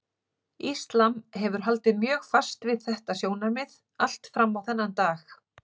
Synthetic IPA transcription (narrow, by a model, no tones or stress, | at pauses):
ist̪lamɦɛvʏɾ̥ɦalt̪ɪðmjœːxfast̪vɪðθɛht̪asjoːwnamɪð | al̥t̪fɾamːawθɛnːant̪aːx